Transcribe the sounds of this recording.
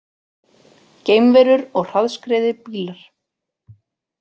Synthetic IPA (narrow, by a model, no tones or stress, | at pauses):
ceːjmvɛːɾʏɾɔɣr̥aðskɾɛːðɪpiːlaɾ̥